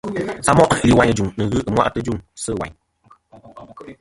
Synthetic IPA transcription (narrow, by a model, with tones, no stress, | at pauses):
a˦mɔ˦ʔli˨wa˨˦ɲ˨d͡ʒu˨ŋnɨ˨ɣɨ˦ɨ˦mwa̰˦˨ʔtɨ˦d͡ʒu˦˨ŋsɨ˦˨wa̰˨ɲ